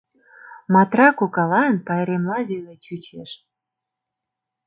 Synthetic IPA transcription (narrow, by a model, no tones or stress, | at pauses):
mɑt̪rɑkokɑlɑənpɑeɾemlɑβelet͡ɕut͡ɕeʃ